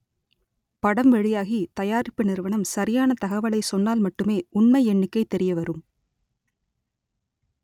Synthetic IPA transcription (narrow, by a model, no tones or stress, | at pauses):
pɐɽɐmʋɛɻɪjaːɣit̪ɐjaːɾɪpːɯnɪɾɯʋɐɳɐmsɐɾɪjaːnɐt̪ɐɣɐʋɐɭɐɪsɔnːaːlmɐʈːɯmeːʊɳmɐɪɛɳːɪkːɐɪt̪ːɛɾɪjɐʋɐɾɯm